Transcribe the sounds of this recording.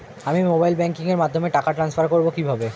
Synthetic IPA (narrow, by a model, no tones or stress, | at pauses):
amimobajlbɛŋkiŋeɾmad̪ʱːomeʈakaʈɾansfaɾkoɾbokibʱabe